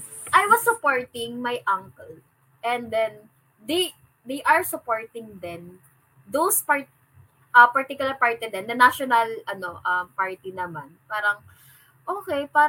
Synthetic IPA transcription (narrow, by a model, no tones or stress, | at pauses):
ʔajwɐsːʊpoɹt̪ɪŋmajʔɐŋkɛl | ʔɛ̃nd̪ɛn | d̪ej | d̪ejʔɐɹsʊpoɹt̪ɪŋd̪ɛn | d̪owspaɹ | ʔɐpɐɹt̪ikjʊlɐɹpaɹt̪ɛd̪ɛnd̪ɐnaʃɔnɐlʔɐno̞ʔɐmpaɹt̪inɐmanpaːɾɐŋ | ʔoːkɛjpaː